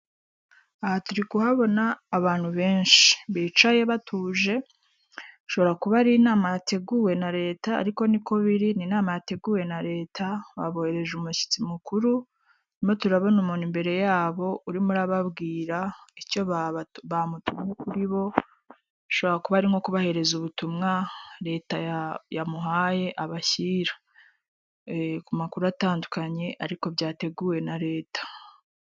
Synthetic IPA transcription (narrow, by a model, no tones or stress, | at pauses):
ahatuɾikuhaβo̞naːβaːn̥huβe̞ːnʃi̥βiːt͡ʃaje̞βatʰuːʒe̞ | ʃo̞βo̞ɾakuβaɾiːnaːmajatʰe̞ɡuwe̞naɾe̞ːta̰ːɾiko̞niko̞βiɾininaːmajate̞ɡuwe̞naɾe̞ːtʰaβa̰βo̞he̞ɾe̞ʒumuʃi̥t͡simukuɾu | nimotuɾaβo̞numonimbe̞ɾe̞jaːβo̞uɾimuɾaβabɡiːɾaico̞ββamutumŋekuɾiβo̞ | ʃo̞βoɾakuβaaɾiŋo̞kuβahe̞ɾe̞zuβutumŋaɾe̞ːtajamuɦaːje̞ʔaβaçiːɾḁ | kumakuɾuataːndukaɲe̞ʔaɾiko̞bɟaːte̞ɡuːwe̞naɾe̞ːtḁ